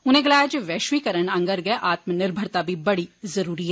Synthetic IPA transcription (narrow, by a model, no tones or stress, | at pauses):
ʊnẽɡɐlaːjad͡ʒeʋɛːʃʋiːkəɾəɳɐ̃ŋɡəɾɡɐeʔaːt̪mənɪɾbʱəɾt̪abʱibɐɽizɐɾuːɾiɦɛː